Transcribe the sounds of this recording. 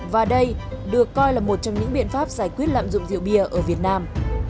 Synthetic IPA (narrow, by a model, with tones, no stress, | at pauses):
vaː˨˩ɗə˧j | ɗɨ˨˩əkːɔ˧jlaː˨˩mo˨˩t̚t͡ɕɔ˧wŋ͡mɲɨ̰˧˥ŋɓḭ˧˨ənfaː˦˥p̚zaː˧˩jkwi˦˥ət̚la̰ː˧˨mzʊ̰˧˨ŋ͡mzḭ˧˨əwɓi˧˩əʔəː˧˩vi˨˩ət̚naː˧m